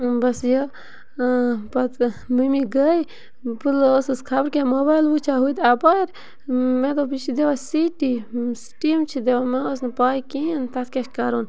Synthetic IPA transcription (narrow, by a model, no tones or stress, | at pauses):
bɐsjɐ | pɐt̪mɨmiɡəj | pɨlosɨskʰabɾkemoːbaːjlʋut͡ʃʰaɦut̪ɐbaɾ | mẽt̪obit͡ʃʰid̪eʋasiʈisʈiːmt͡ʃʰid̪eʋameosnpaːikint̪ɐt̪̚ʰkekkaɾoːn